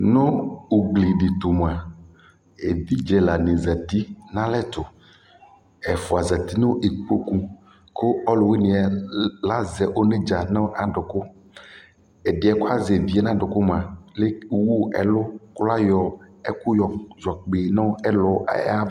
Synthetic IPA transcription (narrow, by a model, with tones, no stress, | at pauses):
nʊ̃˦u˨ɡ͡bli˨ɖi˨t̪ʊ˨m˨a˨ | e˨vi˦d͡ʒɛ˨la˨nĩ˨za˨t̪i˦nã˦lɛ˦t̪ʊ˨ | ɛ˨fʊ˨a˨za˨t̪i˦nõ˦ʔe˨k͡po˦ku˦ | kʊ˦ɔ˦lʊ˨we˦nĩ˨a˨la˦zɛ˨ʔo˦nẽ˦d͡ʒa˨nã˦ʔa˨ɖʊ˨kʊ˦ | ɛ˨dɪ˨ɛ˨kʊ˦a˦zɛ˨vi˨ɛ˦nã˦ɖʊ˨kʊ˦m˨ã˨le˦˨wu˦ɛ̰˨lʊ˦kla˦jɔ˨ɛ˦kʊ˦jɔ˨zɔ˨k͡pe˨nɔ̃˦ɛ˦lɔ̰˨˦a˦